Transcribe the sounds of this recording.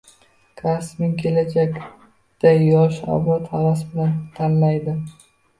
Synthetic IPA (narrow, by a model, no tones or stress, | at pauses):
kʰasmɪŋkʲʰe̞lad͡ʒakʲ | d̪̥ajɒʃɒ̰bɒt̪havasbɪlant̪ʰanlajd̪ɪ